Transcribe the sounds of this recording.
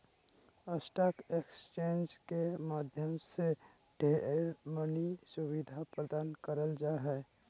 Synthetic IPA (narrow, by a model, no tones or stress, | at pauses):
əsʈaːkekst͡ʃẽːnd͡ʒkemaːd̪ʱjəmse | ɖʱeɾmənisʊβid̪ʱapɾəd̪aːnkəɾəld͡ʒaɦɛː